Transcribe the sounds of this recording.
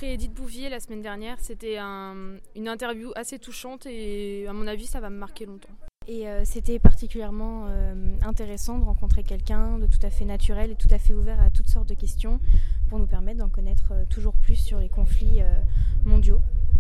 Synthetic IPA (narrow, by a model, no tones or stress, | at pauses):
pχeed̪it̪̚buvjelasəmɛnd̪ɛʁnjɛːʁset̪ɛɛ̃ynɛ̃t̪ɛʁvjuʔaset̪uʃɑ̃t̪eamɔ̃navisavaməmaʁkʲelɔ̃t̪ɑ̃eøset̪ɛpaʁt̪ikʲyljɛʁmɑ̃øɛ̃t̪eʁesɑ̃d̪əʁɑ̃kɔ̃t̪χekʲɛlkʲɛ̃d̪ət̪u̥t̪afɛnat̪yʁɛlet̪u̥t̪afɛuvɛʁat̪u̥t̪sɔʁt̪̚d̪əkʲɛst̪jɔ̃puʁnupɛʁmɛt̪̚ːd̪ɑ̃kɔnɛt̪χøt̪uʒuʁplysːyʁlekɔ̃fliømɔ̃d̪jo